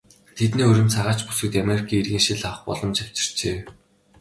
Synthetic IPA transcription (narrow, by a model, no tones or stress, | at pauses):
t̪ʰet̪niːɵɾʲɪ̆mt͡sʰaʁaːt͡ɕpu̥sɘ̆k̚t̪ameɾikʰiːirɣiːŋʃiɮawχpɔ̰ɮɞ̆mt͡ɕʰaw̥t͡ɕɪ̥̆r̥t͡ɕeː